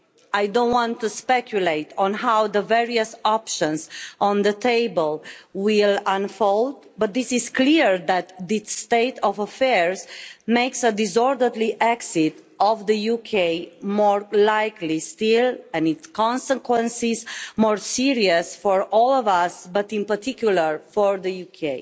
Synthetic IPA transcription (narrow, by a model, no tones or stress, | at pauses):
ajdõntwɔ̃nt̪ːuspɛkʰjuleɪt̪ʰɔ̃nɦawðəvɛɹiəsɔpʃə̃nzɔ̃nðət̪ʰeɪbəlwilãnfold̪ | bʌt̪̚ðisizkliɹðæt̪ðiːt̪eɪt̪ɔvəfɛɹzmeɪksəd̪izɔɹdədliʔɛksit | ɔvðəjukʰeɪmɔɹlaɪklistilɛ̃nitskɔ̃nsəkwə̃nsizmɔɹsiɹiəsfɔɹɔlɔvasbʌt̪ĩnpəɹt̪ʰikjuləɹfɔɹðəjukʰeɪ